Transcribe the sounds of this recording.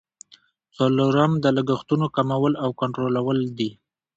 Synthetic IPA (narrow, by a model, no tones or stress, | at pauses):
t͡saloɾamd̪əlaɡəxt̪unokamawəlawkaɳʈɾolawəld̪i